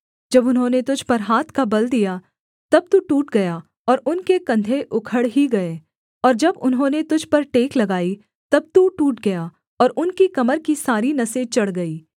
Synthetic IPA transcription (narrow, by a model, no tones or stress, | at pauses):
d͡ʒɐbʊnɦõːnet̪ʊd͡ʒʱpɐɾɦaːt̪ʰkabɐld̪ija | t̪ɐb̚t̪uʈuːʈɡɐja | ɔːɾʊnkekɐ̃nd̪ʱeʔʊkʰəɽɦiɡɐeː | ɔːɾd͡ʒɐbʊnɦõːnet̪ʊd͡ʒʱpɐɾʈeːklɐɡaːi | t̪ɐb̚t̪uʈuːʈɡɐjaː | ɔːɾʊnkikɐməɾkisaːɾinɐset͡ʃɐɽɡɐiː